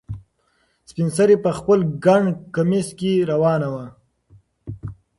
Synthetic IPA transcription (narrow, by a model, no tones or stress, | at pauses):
spɪnsaɾipəxpəlɡaɳkamiskeɾawɑːnawa